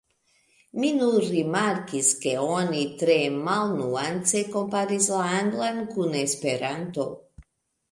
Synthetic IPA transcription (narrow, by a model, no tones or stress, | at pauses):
minunɾimaɾkiske̞o̞nitɾe̞malnuant͡se̞ko̞mpaɾislaaŋɡlankune̞spe̞ɾanto̞